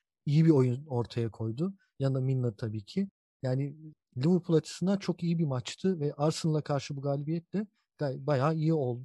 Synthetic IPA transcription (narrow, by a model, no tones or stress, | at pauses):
ijibio̞juno̞ɾt̪ʰajakʰo̞jd̪ʊ | jad̪aminlːˠat̪ʰabiːcʰɪ | jaːnɪ | lʲivuɾpʰulˠat͡ʃʰɯ̥sɯnd̪at͡ʃʰo̞kijibimat͡ʃt̪ʰɯvɛʔaɾsɯnlˠakʰaɾʃɯbuɡaːlʲibijɛt̪̚lʲɛ | ɡ̥abajaːijio̞lˠd̪ʊ